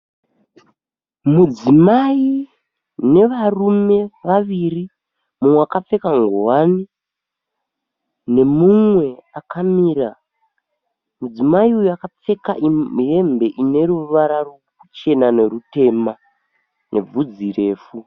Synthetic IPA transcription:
mud͡zimai | ne̞ʋarume̞ʋaʋiri | mumweakap͡fe̞kaŋɡowani | ne̞mumwe̞akamiːɾa | mud͡zimaiujuakap͡fe̞kaʔie̞mbe̞ʔine̞ruʋaɾarokut͡ʃe̞nane̞rute̞ma | nʔe̞̰b͡vud͡zire̞ːfu

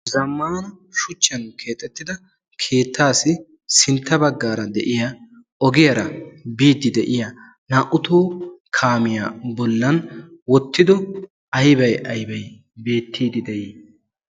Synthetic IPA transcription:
zɐmːaːnɐ | ʃʊt͡ʃːɐnkʰe̞ːt̪ʼːɛt̪ːɪd̪ɐ | kʰe̞ːt̪ːaːsɪ | sɪnt̪ːɐbɐɡːaːɾɐd̪ɛ̰ʔɪja | ʔɔɡɪjɐɾɐbiːd̪ɪd̪ɛʔɪjɐ | naːʔʊt̪oːkʰaːmɪja̰ːbɔlːɐnwɔt̪ːɪd̪ɔ | ɐjbɐjɐjbɐj | be̞ːt̪ːiːd̪ɪd̪ɛʔiː

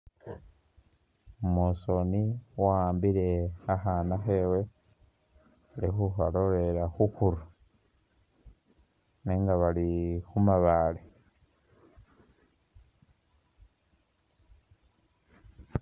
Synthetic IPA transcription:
umoso̞niwaːmbiɾe̞aɦaːnaxewe̞ | alixuhaɾoɾe̞ɾaxukuɾu | neŋɡaβalixumaβaːle

